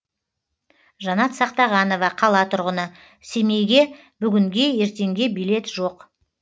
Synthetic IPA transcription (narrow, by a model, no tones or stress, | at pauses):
ʒɑnɑt̪sɑqt̪ɑʁɑno̞vɑqʰɑlˠɑt̪ʰʊɾʁənə | seme̞jɡʲe̞ | bʏɡʲɪŋɡʲe̞je̞ɾt̪e̞ŋɡʲe̞bijle̞t̪ʒ̥o̞q